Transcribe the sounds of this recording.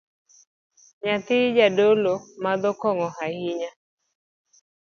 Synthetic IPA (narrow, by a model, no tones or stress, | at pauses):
ɲat̪ɪd͡ʒadolomad̪ɔkɔŋɔhahɪɲa